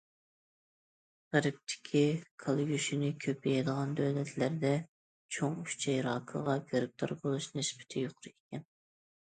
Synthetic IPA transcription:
ʁæɾɪp̚t̪ʰɪ̥kʲʰikʰɑlˠɡʲyʃinɪkʲʰøpʰɪjɛd̪əʁɑnd̪øwlɛt̪ʰlæɾd̪ɛ | t͡ʃʰoŋyʃt͡ʃʰɛjɾɑːqʰə̰ʁɑɡeɾɪp̚t̪ʰɑ̰ɾbolˠuʃnɪsbɪ̥t̪ʰɪjoqʰʊɾɨekʲɛn

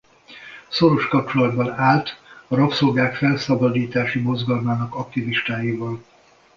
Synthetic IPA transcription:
so̞ɾo̞ʃkɒp̚t͡ʃo̞lɒd̪bɒnaːlt̪ɒɾɒpso̞lɡaːkfɛlsɒbɒd̪iːt̪aːʃimo̞zɡɒlmaːnɒkɒkt̪iviʃt̪aːjiːvɒl

